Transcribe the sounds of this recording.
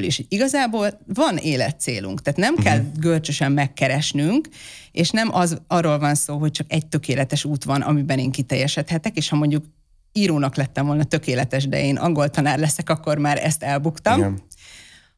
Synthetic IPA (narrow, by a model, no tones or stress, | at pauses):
lḭʃoiɡɒzaːboːlvɒneːlɛ̰t̪sḛːlṵŋkt̪aːt̪nɛmkɛlɡølt͡ʃøʃɛmːɛkːɛɾɛʃnyŋkeːʃnɛmʔɒzɒrːoːlvɒnsoːɦo̞c̚t͡ʃɒkɛɟ̚t̪ø̞keːlɛt̪ɛʃuːt̪ʋɒnɒ̰mibɛneːŋkit̪ɛjːɛʃɛt̪hɛt̪ɛkeːʃhɒmo̞ɲɟuk | iːɾoːnɒklɛt̪ːɛɱvo̞lnɒt̪ø̞keːlɛt̪ɛʃd̪ɛ̰eːnʔɒ̰ŋɡo̞lt̪ɒnaːrlɛsɛkɒkːo̞ɾmaːɾɛ̰st̪ɛlbukt̪ɒm